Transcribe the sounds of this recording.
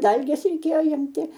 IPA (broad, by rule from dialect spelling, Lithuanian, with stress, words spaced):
ˈdɐlʲɡʲeːs rʲɛɪˈkʲeːjoː ˈɪmʲtʲɪ